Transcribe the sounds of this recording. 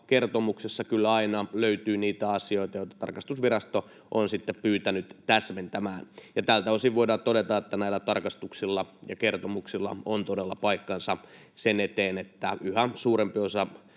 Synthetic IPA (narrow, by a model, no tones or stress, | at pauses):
kert̪omuksesːɑkylːæɑinɑløyt̪yːniːt̪æɑsioit̪ɑjoit̪ːˑɑ̥t̪ɑ̰rkɑst̪usʋirɑst̪o | ʔonsit̪ːeppyːt̪ænyt̪t̪æsment̪æmæːnjɑt̪ælt̪æosiʋʋoidɑːtt̪odet̪ɑet̪ːænæilːæt̪ɑrkɑst̪uksilːɑjɑkert̪omuksilːɑ̰ont̪odelːɑpɑikːɑnsɑsenet̪eːnet̪ːæ̰yhæsuːɾempiosɑ